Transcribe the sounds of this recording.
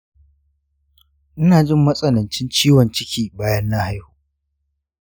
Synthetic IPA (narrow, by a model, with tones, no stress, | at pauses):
ʔɪ˦naː˨d͡ʒɪ˦mːɐ˦sʼɐ˨nɐ˨nt͡ʃɪ˦nt͡ʃiː˦wɔ˨nt͡ʃɪ˦kʲiː˨baː˦jɐ˦nːa˦ha˦jhuː˦